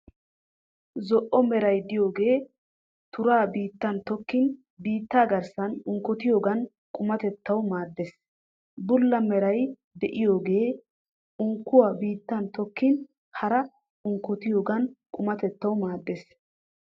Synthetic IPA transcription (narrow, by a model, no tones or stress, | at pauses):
zɔʔɔmɛɾɐjd̪ɪjo̞ːɡe̞ː | t̪ʊɾaːbiːt̪ːɐnt̪ɔkːɪn | biːt̪ːaːɡɐɾsɐnʊŋkːɔt̪ɪjo̞ːɡɐn | kʼʊmɐt̪ɛt̪ːɐwmaːd̪ːes | bʊlːɐmɛɾɐj | d̪ɛʔɪjo̞ːɡe̞ː | ʊŋkːʊwaːbiːt̪ːɐnt̪ɔkːɪn | hɐɾɐ | ʊŋkːɔt̪ɪjo̞ːɡɐnkʼʊmɐt̪ɛt̪ːɐwmaːd̪ːes